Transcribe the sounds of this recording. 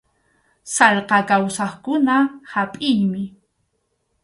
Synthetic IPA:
salqɑkawsɑχkʊnahapʼɪjmɪ

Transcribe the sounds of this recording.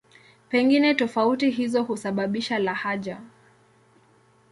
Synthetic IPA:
pɛŋɡinɛtɔfautiɦizɔhusaɓaɓiʃalahaʄa

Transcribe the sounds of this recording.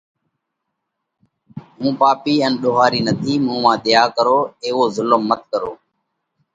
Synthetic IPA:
ɦũːpaːpiːənɗoːɦaːɾiːnət̪ʰiːmũːmãːɗ̪ɪjaːkəɾoːeːʋoːzʊləmːət̪̚kəɾoː

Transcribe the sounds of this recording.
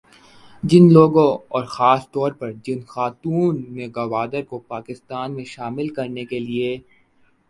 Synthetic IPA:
d͡ʒɪnloːɡõɔːɾxaːst̪ɔːɾpɐɾd͡ʒɪnxaːt̪uːnmẽɡɐʋaːd̪əɾkopaːkɪst̪aːnmẽʃaːmɪlkɐɾnekelie

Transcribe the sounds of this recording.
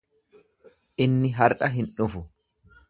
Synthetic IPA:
ʔɪnːɪɦɐɾʔɐɦɪnᶑʊfʊ

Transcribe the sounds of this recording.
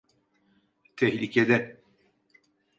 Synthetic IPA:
t̪ʰɛçlḭcʰed̪ɛ

